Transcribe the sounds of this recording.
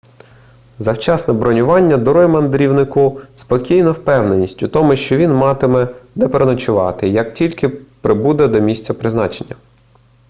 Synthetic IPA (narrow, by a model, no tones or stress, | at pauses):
zɐwt͡ʃɑsnɛbɾɔnʲʊʋɑnʲːɐd̪ɔɾɔjmɐnd̪ɾʲiwnɪkʊspɔkʲijnɔwpɛwnenʲisʲtʲʊt̪ɔmʊʃt͡ʃɔʋʲinmɑt̪ɪmɛnɛpeɾenɐt͡ʃʊʋɑ̰t̪ɪjɐk̚tʲilʲkɪpɾɪbud̪ɛd̪ɔmʲisʲtt͡sʲɐpɾɪznɑt͡ʃenʲːɐ